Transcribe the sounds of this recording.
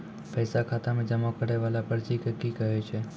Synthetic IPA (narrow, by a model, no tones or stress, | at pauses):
pəjsakʰat̪amẽd͡ʒəmakəɾeʋalapəɾt͡ʃikəkikəɦot͡ʃʰe